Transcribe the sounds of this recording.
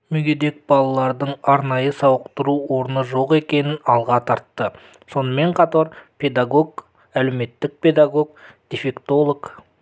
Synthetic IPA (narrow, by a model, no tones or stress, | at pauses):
mʏɡʲed̪e̞k̚b̥ɑlˠɑlˠɑɾd̪əɴɑɾnɑjəsɑwəqt̪əɾuwo̞ɾənəʒo̞qe̞kʲe̞nɪnɑlˠʁɑt̪ʰɑɾt̪ːə | so̞nəme̞ɴqʰɑt̪ɑɾpʰe̞d̪aɡo̞ɡ | æle̞me̞t̪ːɪk̚pʰe̞d̪aɡo̞ɡ̚d̪̥efe̞kt̪o̞lˠok